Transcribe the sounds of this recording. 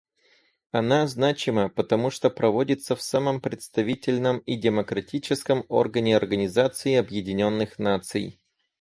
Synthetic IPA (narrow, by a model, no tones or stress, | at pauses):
ɐnaznat͡ɕɪməpət̪ɐmuʂt̪opɾɐvodʲɪt̪səfsaməmpɾʲɪt̪st̪ɐvʲitʲɪlʲnəmidʲɪməkɾɐtʲit͡ɕɪskəmo̞̰rɡənʲɪɐrɡənʲɪzat̪sɨɪɐbjɪdʲɪnʲo̞nːɨxnat̪sɨ̰j